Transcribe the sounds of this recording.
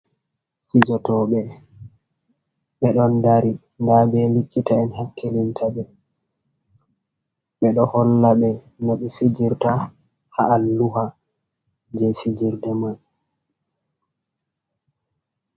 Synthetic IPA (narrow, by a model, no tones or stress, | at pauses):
fid͡ʒɔtɔɓɛ | ɓɛɗɔndaɾi | ndabɛlikʼːitaɛnhakːelintʰabɛ | ɓɛɗɔhɔlːaɓɛ | naɗifid͡ʒiɾta | haʔːlːuha | d͡ʒɛfid͡ʒiɾdɛman